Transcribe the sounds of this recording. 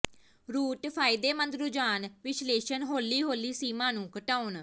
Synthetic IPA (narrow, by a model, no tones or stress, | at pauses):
ɾuːʈpʰaːɪd̪eːmənd̪ɾʊd͡ʒaːnʋɪʃleːʃənɦoːliːɦoːliːsiːmãːnũːkəʈaːʊn